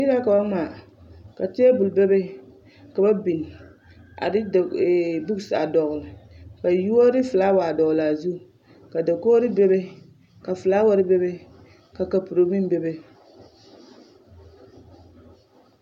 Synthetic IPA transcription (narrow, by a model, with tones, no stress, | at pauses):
ji˦ɾa˦ka˨ba˦maː˨ | ka˨te˦e˦bʊ˨lbe˦be˦ | ka˨ba˦bi˨n˨ | a̰˨ɾɪ˦dbu˦ɡsa˨dɔ˨ɣʊ˨lɪ˨ka˨ju˦o˦ɾɪ˦fɨ˨la˦wa˨dɔ˨ɣla˨zu˦ | ka˨da˨ko˦ɾɪ˦bɛ˦be˦ | ka˨fɨ˨la˦wa˦ɾɪ˦bɛ˦be˦ | ka˨ka˨pu˨ɾo˨mi˦n˦bɛ˦be˦